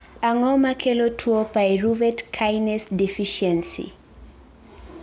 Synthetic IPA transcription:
aŋɔmakʰɛlɔtʰuɔpaɛɹuvɛtkʰajnɛsdifiʃɛnsḭ

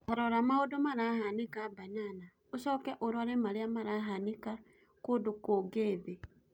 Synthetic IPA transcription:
aɾoɾamaodomaɾahanikabanana | oʃɔkɛʔoɾwaɾemaɾiamaɾaɦanika | kodukoːɡeːðe

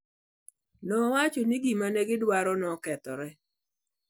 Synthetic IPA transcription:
nɔwat͡ʃɔniɡimanɛɡɪdwaɾɔnɔkɛt̪ɔ̰ɾɛ

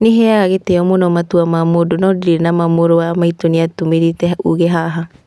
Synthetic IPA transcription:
neɦɛaɾaɣeteɔmonɔmatuamamodonɔdiɾeɾnamamoɾoamaitoniatomeɾitɛuɣeɦaɦa

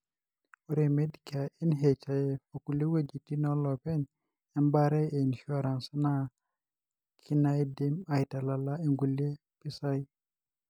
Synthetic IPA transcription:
uɾemedikaʔinɦɛt͡ʃajɛfokulewed͡ʒitinɔlɔpɛn | ɛmbaɾɛjɛinʃɔɾansana | kʰinajdimajtalalaeŋɡule | pisaj

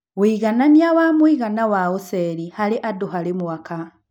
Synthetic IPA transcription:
ɣwiːɣananiawamwiɣanawaosɛɾihaɾeʔadoɦaɾemwaka

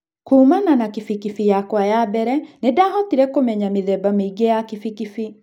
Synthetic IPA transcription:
kuːmananakifikifijakwajabɛɾɛnedaɦɔtiɾɛkomɛɲamiðɛbamiɡɛakifikifi

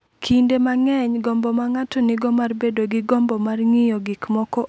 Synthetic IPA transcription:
kʰindemaŋɛɲɡɔmbɔmaŋatɔnɪɡɔmarbedoɡɪɡɔmbɔmarŋɪjɔɡikmɔkɔ

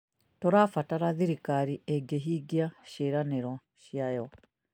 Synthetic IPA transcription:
toɾafataɾaðiɾikaɾieɡeɦiɡiaʃeɾaneɾɔ | ʃiajɔ

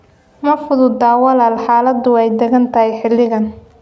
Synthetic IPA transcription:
mɐfʊðʊd̪aːwɐlaːlħaːlɐd̪ʊwɛjd̪ɐɣɐnt̪ʰɐhɛjħɪlːɪɣɐn

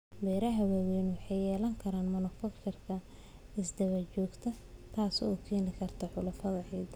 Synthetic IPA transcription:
bɛːɾɐɦɐwawɛːnwɑħɑjjɛːlɐŋkʰɐɾaːnmʊnɪfɐktʰɪrkʰɐ | ɪsd̪ɐβɐt͡ʃɔːɡt̪ʰɐt̪ʰaːsɔːkʰɛːnɪkʰɐrt̪ʰɐħʊlʊfɐðɐʕiːd̪

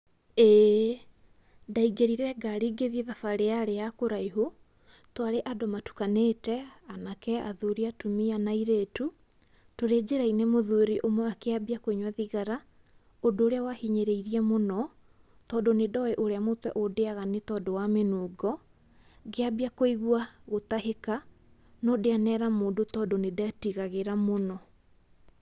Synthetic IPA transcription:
e | daiɡeɾiɾɛɡaɾiɡeðieðafaɾeaɾejakoɾaiɦo | twaɾeʔadomatu̥kaneːtɛanakɛa̰ðuɾiatumianaiɾetu | toɾed͡ʑeɾainemoðuɾiʔomwɛakeabiakoiɲwaðiɣaɾa | odoːɾeawahiɲeɾeiɾiɛmonɔ | tɔːndonedɔɛʔoɾeamotwɛ̰ʔodeaɣanetɔːndowamenuːɡɔ | ɣeabiakoiɣwaɣotaheka | nodeanɛɾamoːdotɔːndonedeatiɣaɣeɾamonɔ

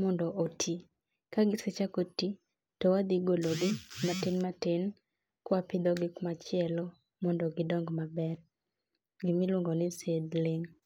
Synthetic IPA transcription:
mɔndɔʔotʰi | kaɡɪskɛt͡ʃakoti | tɔwad̪iɡoloɡɪmatɪnmatɪn | kwapɪd̪ɔɡɪkmat͡ʃɪɛlɔ | mɔndɔɡɪdɔŋɡmabɛr | ɡɪmɪlwʊŋɡɔnɪsed̪lɪŋ

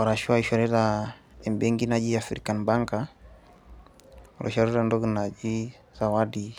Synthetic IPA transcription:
waɾaʃuaiʃaɾɛɾa | ɛmbɛŋɡinad͡ʒiafɾḭkanbaŋɡa | alʔɔ̰ʃaɾɛɾandɔɡinad͡ʒi | z̥awadi

